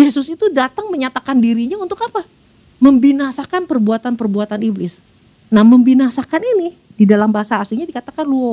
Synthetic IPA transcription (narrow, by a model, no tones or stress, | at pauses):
jesʊsit̪udat̪aŋməɲat̪akandiɾiɲaunt̪ʊkapa | məmbinasakanpərbuat̪anpərbuat̪aniblɪs | nahməmbinasakanini | didalambaɦasaːsliɲadikat̪akanluɔ